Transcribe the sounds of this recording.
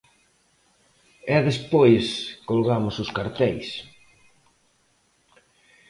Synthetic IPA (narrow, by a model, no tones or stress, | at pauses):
ɛðespojskolɣamʊsʊskaɾt̪ɛjs